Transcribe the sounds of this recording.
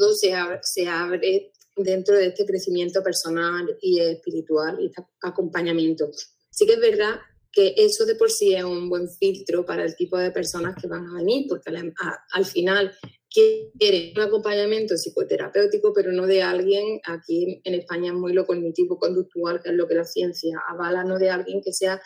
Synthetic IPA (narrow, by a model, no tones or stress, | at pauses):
ðosease̞aβɾe̞ | d̪e̞nt̪ɾoðeest̪ekɾe̞θimjẽ̞nt̪o̞pe̞ɾso̞naliehpiɾit̪waliet̪a | ako̞mpaɲamjẽ̞nt̪o | sike̞ɦβe̞ɾða | ke̞ʔe̞so̞ðe̞po̞ɾsie̞sumbwe̞ɱfilt̪ɾopaɾaelt̪ipo̞ðe̞pe̞ɾso̞nahke̞βaŋaβ̞e̞niɾpo̞ɾkelaalfinal | kjekje̞ɾeuŋako̞mpaɲamje̞nt̪osiko̞t̪e̞ɾa̰pe̞wt̪ikope̞ɾono̞ðe̞alɣje̞ŋakiene̞hpaɲaeɦmujlo̞ko̞ɣnit̪iβoko̞nd̪uk̚t̪ualkee̞ɦlo̞ke̞laθje̞n̟θjaa̰β̞alano̞ðe̞alɣje̞ŋke̞se̞a